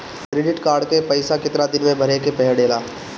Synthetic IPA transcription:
kɾeːɖɪʈkaːɾɖkepɐɪsakɪt̪nad̪ɪnmẽbʱɐɾekepɛɦɛɖeːlaː

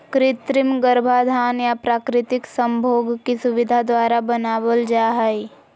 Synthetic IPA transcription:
kɾɪt̪ɾɪmɡəɾbʱad̪ʱaːnjapɾaːkɾɪt̪ɪksə̃mbʱoːɡkisʊʋɪd̪ʱad̪waːɾabənaːwəld͡ʒaːɦɛi

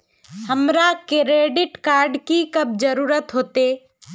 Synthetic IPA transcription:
həmɾakɪɾeːɖɪʈkaːɾɖkikəb̚d͡ʒəɾuːɾət̪ɦoːt̪e

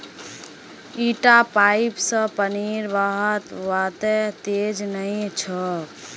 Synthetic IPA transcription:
iʈapajipsə̃pəniɾbaɦət̪ʋat̪et̪ed͡ʒnəĩt͡ʃʰə

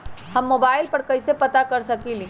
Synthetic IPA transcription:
hɐmːoːbaːɪlpəɾkɐɪsepɐt̪akəɾsəkilĩ

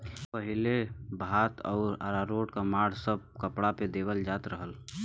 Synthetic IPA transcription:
pəɦilebʱaːt̪ɔ̰ːɾa̰ɾaɾoʈkamaɽ̤səb̚kəpɽaped̪ebəld͡ʒat̪ɾəɦəl

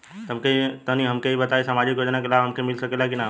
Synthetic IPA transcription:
t̪ɐmket̪ɐniɦɐmkeibɐt̪aesamad͡ʒɪkjoːd͡ʒnakelaːbɦɐmkemɪlsɐkelakina

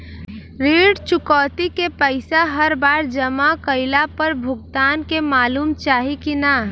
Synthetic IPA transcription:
ɾeːɖt͡ʃʊkɔːt̪ikepəɪsaɦəɾbaːɾd͡ʒəmakəɪlapəɾbʱʊɡt̪aːnkemaːluːmt͡ʃaːɦikina

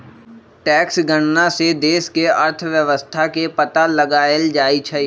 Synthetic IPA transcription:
ʈɛːksɡəɽ̃nased̪eːskeəɾt̪ʰʋjəʋəst̪ʰakepət̪aləɡaːəld͡ʒaːit͡ʃʰɛ

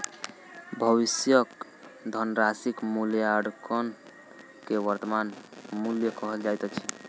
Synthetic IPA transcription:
bʱəβisjək | d̪ʱənɾasikmuljaəɽkən | keʋəɾt̪əmanmuljəkɔɦəld͡ʒajt̪ət͡ʃʰi̥

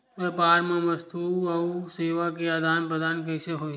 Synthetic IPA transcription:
epaːɾmãʋəst̪ʰuɐuseːʋakeaːd̪aːnpɾəd̪aːnkəɪseɦoː

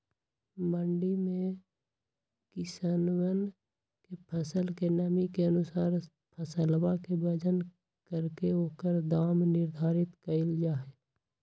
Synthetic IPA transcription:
məɳɖimẽ | kɪsanwən | kepʰəsəlkenəmikeənʊsaːɾ | pʰəsəlbakebəd͡ʒən | kəɾkeɦoːkəɾd̪aːmnɪɾd̪ʱaːɾɪt̪kəɪld͡ʒaːɦe

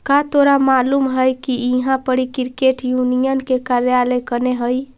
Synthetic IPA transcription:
kat̪oɾamalumɦəjkiiɦãpəɽikiɾkeʈjunijənkekaɾjalekəneɦəj

